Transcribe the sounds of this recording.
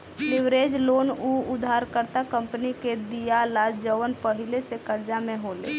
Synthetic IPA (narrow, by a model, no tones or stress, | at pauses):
liʋɾed͡ʒlonuʊd̪ʱːaɾkəɾt̪akəmpniked̪ijalad͡ʒd͡ʒəʋənpəɦilesekəɾd͡ʒamẽɦolḛ